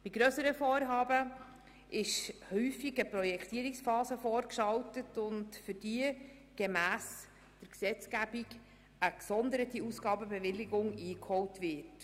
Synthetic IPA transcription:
b̥iɡɾœsəɾəfɔːɾɦɑːbə | ʔɪʃhyːfiɡəpɾɔjɛkχt̪iəɾiksfɑːsəfɔːɾkʃɑltətʊntfʏɾd̥iə | ɡ̥emæːs | d̥əɾksɛt͡sɡ̥æbiɡ | əksɔndəɾətiusɡ̥ɑːbəbɛvɪlɪɡʊŋiːkhɔwtʋɪt

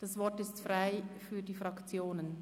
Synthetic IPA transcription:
d̥ɑsvɔtɪstfraɪfyːɐdiːfʁɑkt͡sjoːnən

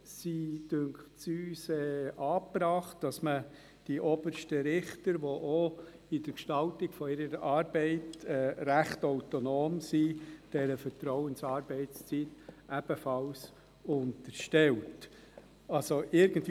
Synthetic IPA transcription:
sid̥øŋksyːsɛːʔɑːpɾɑːχtd̥ɑsmə | d̥iʔɔbəɾʃtəɾɪχtəɾʋoʔo | ɪd̥əɾkʃtɑltɪɡfɔɪɾəɾʔɑːɾbɛɪtɛːɾæχtoʊtonoːmsid̥ɛɾəfəɾtɾɔʊənsɑːɾbɛɪtst͡sitʔæb̥əfɑls | ʊntəɾʃtɛlt | ɑlsoʔɪɾɡ̥ənt

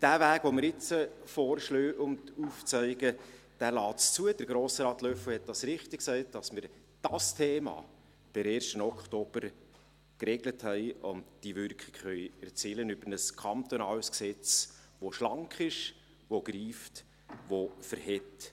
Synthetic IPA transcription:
d̥æːvæːɡ̥ʋomɪɾɪt͡sə | foːrʃløːʔʊntuːft͡sœɪɡə | d̥æːlɑːtst͡suəd̥əɾɡɾoːsɾɑːt̪lœfəhɛt̚d̥ɑsɾɪχtɪk̚sɛɪt̚d̥ɑsmɪɾ | d̥ɑstʰeːmɑ̰ː | b̥ɪɾɛːɾʃtənɔkχtob̥əɾ | kɾɛɡləthɛɪʊ̰ntd̥ivʏɾkχɪ̥ɡ̥χœʏɛɾt͡siːlənʏb̥əɾnəskʰɑnt̪ɔnɑːlsksɛt͡s | ʋoʃlɑŋkχɪʃ | ʋoɡ̥ɾiːft | ʋofəɾhɛt

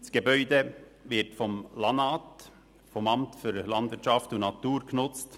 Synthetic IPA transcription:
sɡ̥ebœʏdəvɪɾtfɔmlɑnɑːt | fɔmɑmtfyːɾlɑnd̪vɪɐtt͡ʃɑftʊnɑtuːɾknʊt͡st

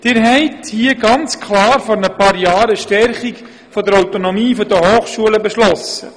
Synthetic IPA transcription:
d̥ɪɾɦɛɪthiəɡɑnt͡skʰlɑːɾfɔɾnəpɑːɾjɑːɾəʃtɛɾχik | fɔd̪əɾawt̪onɔmiːfɔd̪əhoːχʃuələbɛʃlɔsə̰

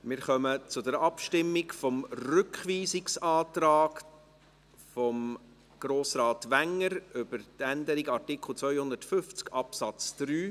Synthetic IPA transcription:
mɪːɾχœmət͡sʊdɛɾɑpʃtɪmːɪkfɔmrʏkχʋiːsɪksɑːtɾɑːk | fɔm | ɡ̥ɾoːsɾɑːtʋæŋːəɾʏb̥əɾtænd̪əɾiɡɑrtɪkχl̩ˠt͡svœʏhʊnd̪ərtfʏft͡skɑpsɑt͡sd̥ɾyː

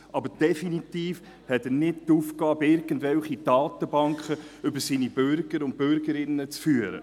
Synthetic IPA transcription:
ʔɑbəɾd̥ɛfinit̪iːf | hɛt̪ənɪd̚t̪uːfkɑːbɪɾɡəntvɛlχid̥ɑːt̪əbɑŋkχəʏbəɾsiːnibʏɾɡ̥əɾʊnt̚pʏɾɡəɾɪnːət͡sfyːəɾə̰

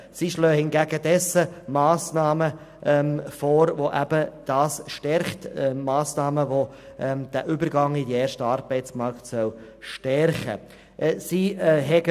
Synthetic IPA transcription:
siʃløːhɪnɡæɡədɛsəmɑːsnɑːmə | ʔɛmfɔːɾvoʔæbəd̥ɑːsʃtɛɾχtɛmɑːsnɑːməʋo | ʔɛd̥æʔʏbəɾɡɑŋidieːɾʃtəɑːɾbɛɪt͡smɑɾktsœw | ʃtɛɾχə̰ | ʔsiɦɛɡə

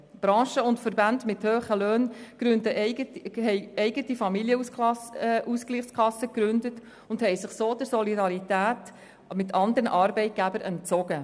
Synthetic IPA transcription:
b̥ɾɑ̃ːʃəʊntfəɾbændmɪthøːχəløːnkɾʉndəʔətɦɛɪɛɪɡətifɑmiljəus | ʔuskliːχskʰlɑsːəkɾʉndət | ʊnd̥hɛɪsɪχsoːdəɾsɔlidɑɾitæːt | mɪtʰɑndəɾəʔɑɾbɛɪt̚ɡ̥æbəɾʔɛnt͡sɔɡə

